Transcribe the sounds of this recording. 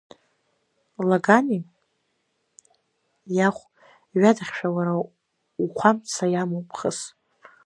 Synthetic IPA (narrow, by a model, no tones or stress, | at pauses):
laɡani | jaχʷ | ɥadaχʲʃᶣawaɾa | uχʷʰamt͡sʰajamowpʰʼχəs